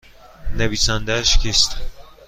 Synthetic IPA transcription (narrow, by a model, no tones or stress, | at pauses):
neviːsænd̪æʃcʰist̪